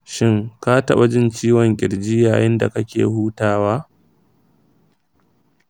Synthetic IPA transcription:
ʃɪ˦ŋka˦tɐ˦ɓɐ˨d͡ʒɪ˦nt͡ʃiː˦wɔ˨ŋkʲʼɪ˨ɽd͡ʒiː˦jaː˨jɪ˦nda̰˨kɐ˦kʲḛː˨huː˦taː˦waː˦

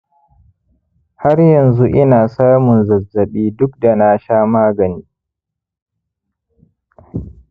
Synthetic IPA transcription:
ha˦rjɐ˨nzu˦ʔɪ˦naː˨saː˦mʊ˨nzɐ˨zːɐ˨ɓiː˦dʊ˦k̚da˨na˦ʃaː˦maː˦ɡɐ˨niː˦

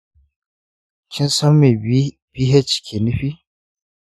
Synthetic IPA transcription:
kʰʲɪ˦nsɐ˦mːe˨˦ | b̥i˦ɦɛ˦t͡ʃkʲʰe˨ni˦ɸi˦

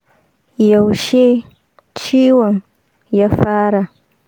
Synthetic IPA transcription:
ja˨wʃe˦ | t͡ʃi˦wa˨ŋ | ja˦faː˦ɾa˨

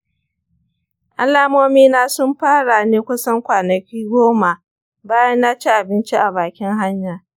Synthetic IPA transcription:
ʔa˦laː˦moː˦miː˦naː˦sʊ˦mɸaː˦ɽa˨neː˦kʷʊ˦sɐ˦ŋkʷaː˨nɐ˨kʲiː˦ɡʷoː˦ma˨ | baː˦jɐ˦nːaː˦t͡ʃi˦ʔa˨bɪ˦nt͡ʃi˦ʔa˨baː˨kʲɪ˦ŋɦa˦ɲjaː˨

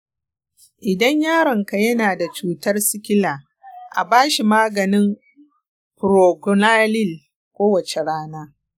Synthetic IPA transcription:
ʔɪ˨dɐ˦ɲjaː˦ɽɐ˨ŋka˨jɐ˦naː˨da˨t͡ʃuː˦tɐ˦rsɪ˦kʲɪ˦laː˨ | ʔa̰˨baː˦ʃi˨maː˦ɡɐ˨nɪ˦m | pɾo˨ɡʊ˨na˦lɪ˦˨l | kʷoː˦wɐ˨t͡ʃe˨ɽaː˦naː˦

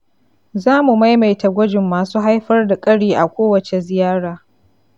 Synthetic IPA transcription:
zaː˦mu˨ma˦jma˨jta˨ɡʷɐ˦d͡ʒɪ˨mːaː˨suː˦ɦa˦jɸɐ˦rda˨kʼɐ˦ɽiː˨ʔa˨kʷoː˦wɐ˨t͡ʃe˨zɪ˨jaː˦ɽaː˨

